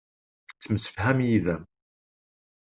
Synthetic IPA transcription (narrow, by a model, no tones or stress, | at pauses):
θə̥t͡sːməsə̥fhæmjiðæm